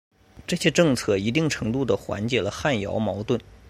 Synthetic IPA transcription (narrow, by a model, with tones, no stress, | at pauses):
ʈ͡ʂɤ˥˩ɕjɛ˥ʈ͡ʂɤ˥˧ŋt͡sʰɤ˥˩i˧˥t̪i˥˩ŋʈ͡ʂʰɤ˧˥ŋt̪u˥˩d̪ə˩xwa̰˧˥nt͡ɕjɛ˨˩lə˧xa˥˩njɑ̰˧˥ʊmɑ˧˥ʊt̪wə˥˩n